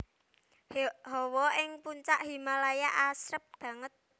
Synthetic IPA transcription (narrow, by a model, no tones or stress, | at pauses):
ɦɔwɔʔɪŋpuɲt͡ʃaʔɦimalajaʔasɾəp̚b̥ä̤ŋət̪̚